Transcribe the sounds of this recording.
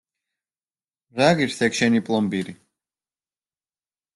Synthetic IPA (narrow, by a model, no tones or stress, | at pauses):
ʁaɡiɾsɛkʃɛnipʼlˠɔmbiɾi